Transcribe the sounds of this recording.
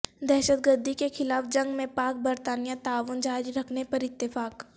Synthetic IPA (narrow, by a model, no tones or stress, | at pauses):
d̪ɛːʃəd̪̚ɡəɾd̪ʱikexɪlaːfd͡ʒɐ̃ŋɡmẽpaːk̚bɐɾt̪aːnijãt̪aːʋʊnd͡ʒaːɪd͡ʒɾɐkʰnepɐɾɪt̪ːɪfaːk